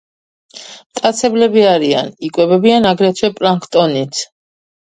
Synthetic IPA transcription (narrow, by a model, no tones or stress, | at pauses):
mt̪ʼat̪sʰɛblɛbiaɾia̰nikʼwɛbɛbianaɡɾɛt̪ʰwɛpʼɾaŋkʰt̪ʼɔnit̪ʰ